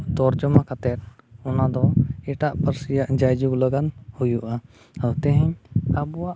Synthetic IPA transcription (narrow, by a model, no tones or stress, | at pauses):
d̪ɔɾd͡ʒɔmakʰat̪ɛt̪̚ | ɔnad̪ɔɛʈaʔpəɾsijaʔd͡ʒajd͡ʒuɡləɡanhujuʔa | awt̪ɛ̃ɦɛɲabuwaʔ